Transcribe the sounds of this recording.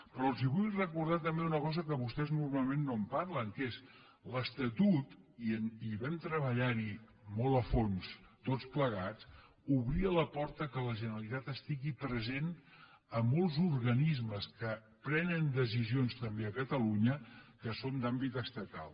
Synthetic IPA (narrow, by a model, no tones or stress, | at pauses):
pɾɔlˠziβujrəkuɾð̞at̪əmbeunəkɔzəkəβust̪ɛznurmalˠmenːompaɾləŋkes | ləst̪ət̪ut̪iəniβɛmt̪ɾəβəʎaɾi | mɔləfonst̪ot͡spləɣ̞at͡s | uβɾiələpɔɾt̪əkələʒənəɾəlit̪at̪əst̪iɣipɾəzen | əmɔlˠzuɾɣənizməskə | pɾɛnənd̪əs̬izionst̪əmbeəkət̪əluɲəkəsond̪ambit̪əst̪ət̪a̰lˠ